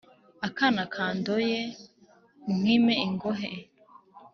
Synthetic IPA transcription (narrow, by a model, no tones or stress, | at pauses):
akanakʰaːndoje | uŋ̥wimeiŋɡoɦe